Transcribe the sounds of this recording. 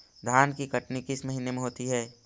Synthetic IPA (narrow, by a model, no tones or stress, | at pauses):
d̪ʱjaːnkikɐʈnikɪsməɦinemẽɦoːt̪iɦɛː